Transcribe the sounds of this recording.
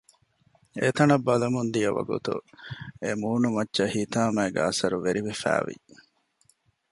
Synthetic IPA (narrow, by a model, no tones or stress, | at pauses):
et̪ɐnɐbːɐlɐmund̪ijɐʋɐ̰ɡṵt̪ṵemuːnumɐtːʃɐhiːt̪aːmæːɡ̰ɐsɐɾuʋeɾiʋefæ̰ːʋḭ